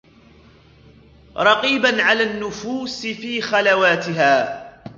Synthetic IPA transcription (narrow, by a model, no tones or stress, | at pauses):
ɾˤɑqiːbanʕalaːnːʊfuːsɪfiːxalawaːt̪ɪɦaː